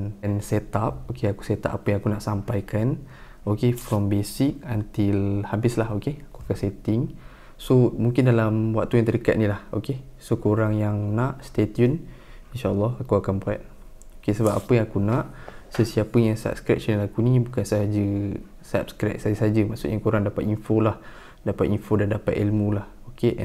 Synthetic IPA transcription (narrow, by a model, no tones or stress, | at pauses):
nnsɛt̪ap̚okeaku̥set̪a̰p̚apəjaŋakunãʔsampajkʰan | okefɾɔmbesɪk̚ant̪ɪlhabɪslahokeakuakanset̪ɪŋ | somũŋkɪndalamwak̚t̪ujaŋt̪ədəkat̪̚nilaho̰ke | sokoɾaŋjaŋnãʔst̪et̪jun | inʃaʔəlːɔɦakuakanbua̰t̪̚ | okesəbap̚apəjaŋakunãʔsəsiapəjaŋsa̰p̚skɾɛ̰ʔ̚t͡ʃənilakunibukansad͡ʒə | sa̰p̚skɾɛk̚sad͡ʒəsad͡ʒəma̰ʔsṵʔjaŋkuɾaŋdapat̪infolah | dapat̪infodandapat̪ilmũlah | okeʔɛ̰̃